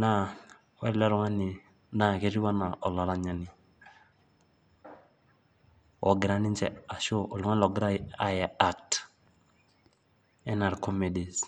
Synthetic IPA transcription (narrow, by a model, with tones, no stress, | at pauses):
na˦ | wɛ˦lɛ˦ɾɔ˦ŋa˦nɪ˨ | na˦˨ke˦ɾi˦wa˦na˨ʔɔ˨la˨ɾa˦ɲa˨nɪ˨ | ɔ˨ɡɪ˨ɾa˦nɪ˦nt͡ʃɛ̰˨a˨ʃo˦ʔɔ˨lu˨ŋa˦nlɔ˨ɡɪ˦ɾa˦a˦jɛ˨a˦k̚t | ɛ˦na˨ɾkʰɔ˦me˨di˨s